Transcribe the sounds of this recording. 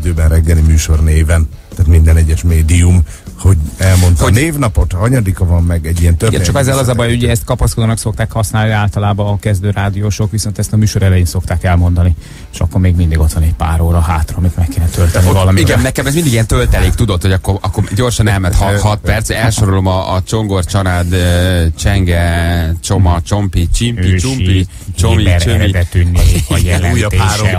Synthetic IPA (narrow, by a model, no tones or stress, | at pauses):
d̪øːbɛnrɛɡːɛlimyːʃo̞rneːvɛn | t̪aːt̪mind̪ɛnɛɟːɛʃmeːd̪ium | ho̞ɟɛlmo̞nt̪neːvnɒpo̞t̪ɒɲɒd̪ikɒvɒmːɛɡɛɟːijɛnt̪øɡɛ̰t͡ʃɒkɛzːɛlɒzɒbɒjuɟɛɛst̪kɒpɒskod̪oːnɒkso̞k̚t̪aːkhɒsnaːlniaːlt̪ɒlaːbɒːkɛzd̪øːɾaːd̪ijoʃokʋiso̞nt̪ɛst̪ɒmyːʃo̞ɾɛlɛjeːnso̞kt̪aːkɛlmo̞nd̪ɒni | e̥ʃɒ̰kːoɾmeːɡmind̪iɡo̞t̪ʋɒnɛcpaːɾoːɾɒɦaːt̪rɒːmit̪mɛkːeːnɛt̪ølt̪ɛnivɒlɒmiiɡɛnːɛkɛmɛzmind̪iɡiɛnt̪ølt̪ɛleːkt̪ud̪o̞t̪ho̞ɟɒkːorɒkːoɟo̞rʃɒnɛlmɛt̪hɒhɒt̪pɛrt̪sɛɛlʃoɾolomɒːt͡ʃo̞ŋɡort͡ʃɒlaːd̪øt͡ʃɛŋɡɛt͡ʃomɒt͡ʃompit͡ʃimøiːt͡ʃumi | t͡ʃomiɛɾɛt̪ynːjɛlɛujt̪eːɛ